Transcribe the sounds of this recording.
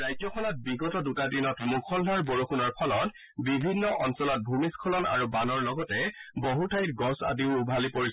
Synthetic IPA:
ɹajzɔkʰɔnɔt̚biɡɔtɔdutadinɔtmukʰɔldʱaɹboɹukunɔɹpʰɔlɔt | bibʱinːɔʔɔnsɔlɔt̚bʱumiskʰɔlɔna̰ɹubanɔɹlɔɡɔtɛboɦutʰajtɡɔsa̰diʊubʱalipoɹis

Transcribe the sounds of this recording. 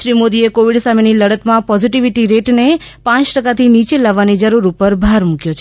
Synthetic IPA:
ɾimod̪iekoʋiɽsameniləɽət̪mãpɔziʈiʋiʈiɾeʈnepãt͡ʃʈəkat̪ʰinit͡ʃelaʋːanid͡ʒəɾuɾupəɾbʱaɾmũkjot͡ʃʰ

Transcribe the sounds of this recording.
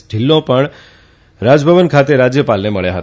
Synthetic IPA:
ɖʱilːõpəɳ | ɾad͡ʒbʱəʋənkʰat̪eɾad͡ʒjəpalneməɭjaɦət̪

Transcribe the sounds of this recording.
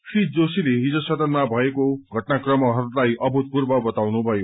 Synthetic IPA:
fʰid͡zosileɦid͡zʌsʌd̪ʌnmabʱʌekoɡʱʌʈnakrʌmʌɦʌɾulajʔʌbʱut̪̚purbʌbʌt̪awnubʱʌjo

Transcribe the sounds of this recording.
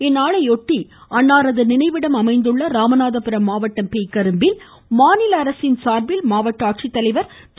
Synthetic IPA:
ɛnːaːɭɐɪɔʈːiɐɳːaːɾɐðɯnɪnɐɪʋɪɽɐmɐmɐɪnd̪ɯɭːɐɾaːmɐnaːðɐpɪɾɐmːaːʋɐʈːɐmpeːkɐɾɯmbɪl | maːnɪlɐɐɾɐsɪnsaːɾbɪlmaːʋɐʈːɐaːʈ̚t͡ʃit̪ːɐlɐɪʋɐɾ | t̪

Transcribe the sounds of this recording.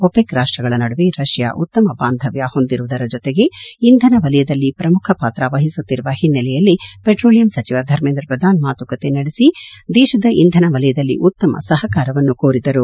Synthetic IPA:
opekɾaːʂʈɾɐɡɐɭɐnɐɽuʋeɾɐʃja̰ʔṵt̪ːɐmɐbaːnd̪ʱɐʋjɐho̞nd̪iɾuʋud̪ɐɾɐd͡ʒɔt̪eɡe̞ind̪ʱɐnɐʋɐlɐjɐd̪ɐlːipɾɐmukʰɐpaːt̪ɾaʋɐɦisut̪ːiɾuʋɐhinːɐlɛjɐlːipeʈɾoːlijɐmsɐt͡ʃiʋɐd̪ʱɐɾmeːnd̪ɾɐpɾɐd̪ʱaːnmaːt̪ukɐt̪e̞nɐɽisid̪ɛːʃɐd̪ɐʔind̪ʱɐnɐʋɐlɐjɐd̪ɐlːḭʔut̪ːɐmɐ̰sɐɦɐkaːɾɐʋɐnːukoːɾid̪ɐɾu

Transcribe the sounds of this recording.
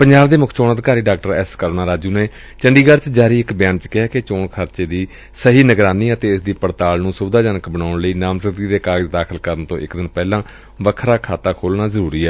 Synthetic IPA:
pəɲd͡ʒaːbd̪eːmʊkʰt͡ʃoːnəd̪kaːɾiːɖaːk̚ʈəɾɛːskəɾonaːɾaːd͡ʒuːneː | t͡ʃəɳɖiːɡəɾt͡ʃd͡ʒaːɾiːɪkbjaːnt͡ʃkɪɦaːket͡ʃoːɳkʰəɾt͡ʃeːd̪iː | səɦiːnəɡɾaːniːət̪eːɪsd̪iːpəɽt̪aːlnũːsʊbd̪aːd͡ʒaːnəkbənaːʊɳləiːnaːmsəkd̪iːd̪eːkaːɡəd͡ʒd̪aːkʰəlkəɾənt̪õ̰ːʔɪkd̪ɪnpɛːlãː | ʋəkʰɾaːkʰaːt̪aːkʰoːlnaːzəɾuːɾiːɛː

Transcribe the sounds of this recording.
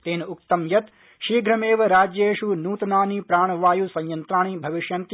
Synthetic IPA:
t̪eːnʊkt̪əmjɐt̪ | ʃiːɡɾɐmeːʋɾaːd͡ʒjeʃunuːt̪naːniːpɾaːɳ̃ʋaːjusɐ̃jjɐnt̪ɾaːɳ̃ibʱɐʋɪʃjɐnt̪

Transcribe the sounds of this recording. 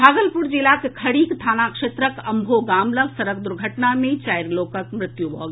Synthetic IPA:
bʱaːɡəlpuɾd͡ʒilakekʰəɽiːkt̪ʰaːnakʃeːt̪ɾəkɐmbʱoɡaːmləɡsəɾək̚d̪ʊɾɡʱəʈnamẽt͡ʃaːjɾloːkəkmɾɪt̪jubʱɔɡ

